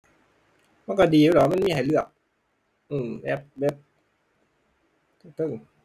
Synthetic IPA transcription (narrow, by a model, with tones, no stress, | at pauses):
ma˧˥˨kɔ˧˩diː˨˩ɛ˧˩lɔ˨˦ma˧˥˨miː˧˥˨ha˨˩jlɯ˧˩ək̚ | ʔɯː˨˩mbɛ˦˥p̚bɛ˦˥p̚ | t̪ʰɯ˧˩ŋt̪ʰɯ˧˩ŋ